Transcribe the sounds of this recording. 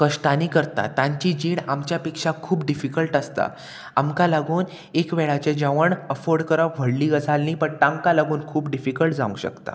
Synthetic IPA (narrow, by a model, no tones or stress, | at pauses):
kəʂʈaniːkəɾt̪a̰t̪aɲt͡ɕid͡ʑiːɳamt͡ɕjapikʂakʰuːpɖifikəlʈəst̪a̰ | amkalaɡuːn | ekʋeɭat͡ɕed͡ʑaʋəɳəfoɾɖkəɾaʋ̤ʱəɽliːɡəd͡zʱalniːpəɳʈ̪ãŋkalaɡuːnkʰuːpɖifikəlʈd͡zaʋṵ̃ŋɕə̰kt̪a̰